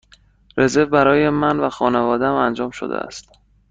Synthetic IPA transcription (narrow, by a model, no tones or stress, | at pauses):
ɾe̞zevbæɾɒːjemænvæxɒːnevɒːd̪eæmænd͡ʒɒːmʃo̰d̪ḛʔæ̰st̪